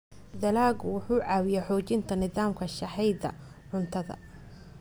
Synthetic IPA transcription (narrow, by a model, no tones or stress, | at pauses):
d̪ɐlaːɡʊwʊħuːʕɑːwɪjɛħɔːt͡ʃɪnt̪ʰɐnɪðaːmkʰɐʃɐħɛjd̪ɐ̰ | ʕʊnt̪ʰɐðɐ̰